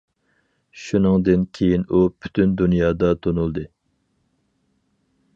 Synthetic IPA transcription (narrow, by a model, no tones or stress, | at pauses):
ʃunɨŋd̪ɨnkʲʰejinupʰy̥t̪ʰynd̪unjɑːd̪ɑt̪ʰonulˠd̪ɨ